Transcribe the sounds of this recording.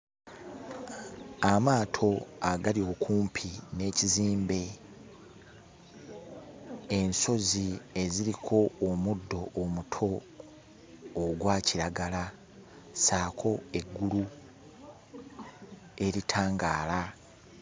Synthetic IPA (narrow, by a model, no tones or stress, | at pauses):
amaːtʰo̞aɡalio̞kʰuːmpʰine̞ːciziːmbe̞ | enso̞zie̞ziɾikʰo̞ːmudːo̞ʔːmutʰo̞ | ɡwaːciɾaɡala | saːkʰo̞e̞ɡːulu | e̞ɾitʰaːŋɡaːla